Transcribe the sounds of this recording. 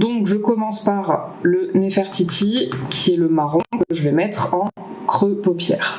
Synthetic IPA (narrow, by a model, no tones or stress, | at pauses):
d̪ɔ̃kʒəkɔmɑ̃spaʁlənefɛʁt̪it̪ikʲʰiɛləmaʁɔ̃kəʒəvɛmɛt̪χɑ̃ | kχøpopjɛ̰ːʁ